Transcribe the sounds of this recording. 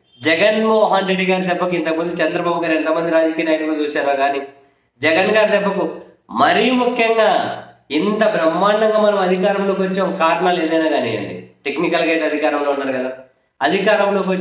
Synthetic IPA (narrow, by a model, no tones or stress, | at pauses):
d͡ʒɛɡɐnmɔːɦɐnɾe̞ɖːiɡaːɾid̪ɛbːɐkuint̪ɐkmund̪uit͡ʃɛnd̪ɾɐbaːbuɡaːɾɛnt̪ɐmɐnd̪iɾaːd͡ʒɐkijɐnaːjɐʈɐlot͡ʃuːsaːɾaːɡaːni | d͡ʒɛɡɐnɡaːɾid̪ɛpːɐku | mɐɾijumukʰjɐŋɡaːint̪ɐbɾɐmːaːɳɐŋɡaːmɐnɐmɐd̪ʱikaːɾɐmlo̞ːkʋɐt͡ʃːaːmkaːɾɐɳale̞ːd̪ɐjnaːɡaːnḭɐ̰ɳɖḭʈeknikɐlɡɐːjt̪ɐd̪ʱikaːɾɐmlo̞ːunːaːɾukɐd̪aː | ɐd̪ʱikaːɾɐmloːkʋɐ